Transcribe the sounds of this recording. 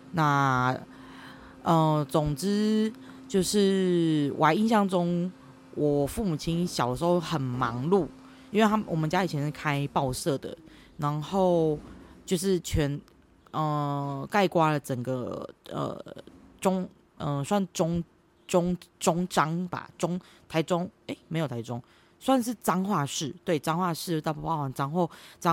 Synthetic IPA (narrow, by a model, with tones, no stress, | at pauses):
na˥˧ | ʔə˧t͡sʊ˨˩ŋʈ͡ʂɻ̩˥t͡ɕjo˥˧ʊʂɻ̩˥˩wʔa˧ɪi˥˧nɕ̬jɑ˥˩ŋʈ͡ʂʊ˦ŋ | wʔɔ˨˩fu˥˩mu˨t͡ɕʰi˦˥nɕjɑ˨˩ʊd̪əʂ̩˧˥xo˥˧ʊxə˨˩nmɑ˧˦ŋlu˥˩ | i˥nwe˥˩ɪa˥wʔɔ˨˩mə˨˦nt͡ɕja˥i˨˩t͡ɕʰjɛ˧˦nʂɻ̩˥˩kʰa˥˦ɪpɑ˥˧ʊsɤ˥˩d̪ə̰˩ | na˧˦ŋxo˥˩ʊt͡ɕjo˥˧ʊʂɻ̩˥˩t͡ɕʰɥɛ˧˦˥n | ʔə˧ka˥˧ɪkwa˦lə˨ʈ͡ʂə˨˩ŋɡə˦ə̰˨˩ʈ͡ʂʊ˦˥ŋ | ʔə˧swa˥˧n˥˩ʈ͡ʂʊ˥ŋ | ʈ͡ʂʊ˥ŋʈ͡ʂʊ˥ŋʈ͡ʂɑ˦ŋba̰˨ʈ͡ʂʊ˥ŋ | t̪ʰa˧˦ɪʈ͡ʂʊ˦˥ŋe˥˩ɪme˧˥ɪjo˨˩t̪ʰa˨˧ɪʈ͡ʂʊ˦ŋ | swa˥˧nʂ̬ɻ̩˥˩ʈ͡ʂɑ˥ŋxwa˥˧ʂɻ̩˥˩t̪we˥˩ɪʈ͡ʂɑ˥˦ŋxwa˥˧ʂɻ̩˥˧˥ɑ˥˧˩pʰɑ˥˩wa˨˩nʈ͡ʂa˥ŋxo˥˩ʈ͡ʂɑ˦